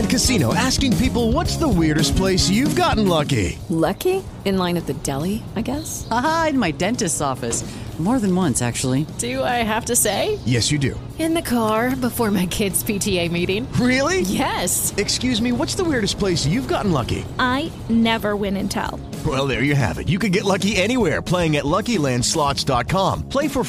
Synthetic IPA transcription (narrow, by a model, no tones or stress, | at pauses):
ɨ̃nkɨsĩnoʊʔæskɪ̃ŋpipl̩ˠwʌtsðəwɪɹɾɨs̚pʰl̥eɪsjʉvɡɑʔn̩lʌkḭlʌki | ɨ̃nlãɪ̃nwɨðɨdɛlˠiaɪɡɛs | aaɨ̃nmaɪdɛ̃ntɨstɔfɨsmɔɹðɨ̃n̩wʌ̃nsæ̰k̚t͡ʃul̩ˠid̥ɨaɪɦæftɨseɪjɛsjɨdʉ̰ | ɨ̃nðɨkʰɑɹbəfɔɹmaɪkʰɪdz̥pʰitʰieɪmiɾɪ̃ŋɹɪlˠijɛsɨkskjʉzmiwʌtsðəwɪɹɾɨspʰl̥eɪsjʉvɡɑʔn̩lʌ̰kḭʔaɪ | nɛvə˞wɪ̃nɨ̃ntʰa̰ʊlˠ | wɛlˠðə˞jɨɦæ̰vɨ̰tjɨkɨ̃nɡɛtˡlʌkiɛɾ̃iwɛɹpʰl̥eɪɪ̃ŋɨtˡlʌkilæ̃nd̥slɑtsd̥ɑt̚kʰɑ̃mpʰl̥eɪfə˞